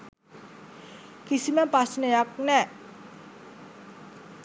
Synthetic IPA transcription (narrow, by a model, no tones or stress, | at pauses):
kisimɛpasneak̚nɛʔ